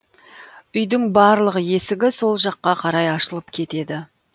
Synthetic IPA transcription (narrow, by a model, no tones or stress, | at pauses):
ʏjd̪ɪŋbɑɾlˠəʁəje̞sɪɡʲɪso̞lˠʒɑqːɑqʰɑɾɑjɑʃəlˠəpkʲʰe̞t̪e̞d̪ɪ